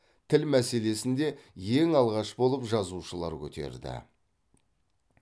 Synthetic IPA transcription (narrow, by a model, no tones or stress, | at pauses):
t̪ʰɪlmæse̞le̞sɪnd̪e̞je̞ŋɑlˠʁɑʃbo̞lˠəpʒɑzuʃəlˠɑ̰ɾkʲʰɵt̪ʰe̞̰ɾd̪ɪ̰